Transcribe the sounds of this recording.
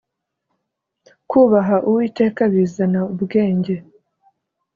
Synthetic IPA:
kuːβaɦaʔuwiːte̞ːkaβiːzanaubɡe̞ːɲɟe̞

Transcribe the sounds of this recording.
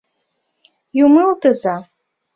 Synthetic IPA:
jumɨltʰʼɨza

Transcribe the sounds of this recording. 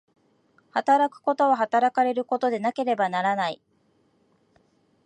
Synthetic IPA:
hat̪aɾakɯ̟̥ko̞t̪o̞βaɦat̪aɾakaɾe̞ɾɯ̟ko̞t̪o̞d̪e̞nake̞ɾe̞banaɾanai

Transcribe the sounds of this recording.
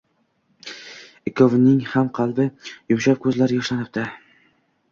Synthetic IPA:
ɪkʰovnɪŋhamqʰɑlˠbɪjʊmʃap̚kʰɵzlaɾjɒʃlanɪp̚t̪ɪ

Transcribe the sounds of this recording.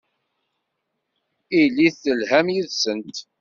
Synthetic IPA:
ilːiθəlhæmjiðsənt̪

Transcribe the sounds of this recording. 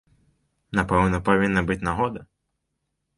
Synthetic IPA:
napɛwnɐpavʲinːɐbɨt͡sʲnaɦɔd̪ɐ

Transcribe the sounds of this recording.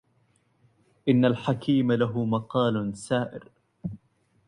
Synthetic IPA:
ʔɪnːalħakʰiːmalaɦʊmɑqɑːlsaːʔɪ̰ɾ

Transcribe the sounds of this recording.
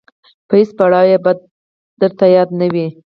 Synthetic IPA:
pəhispaɽɑwjeb | d̪̥əɾt̪ajɑd̪nəwi

